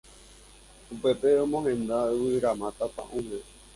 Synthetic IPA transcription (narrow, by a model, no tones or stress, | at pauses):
upepeõmõɦẽnd̪awɨɾamãt̪apã̰ʔũbe